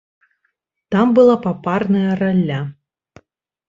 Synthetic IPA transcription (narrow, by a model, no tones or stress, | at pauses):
t̪ambɨlˠapaparnɐjɐralʲːa